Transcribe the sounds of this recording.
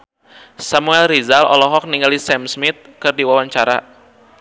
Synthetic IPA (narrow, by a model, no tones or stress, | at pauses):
samuɛlrizalɔ̰lɔɦɔk̚niŋɡalisɛmsmɪt̪̚kɨrdiwawaɲt͡ʃaɾa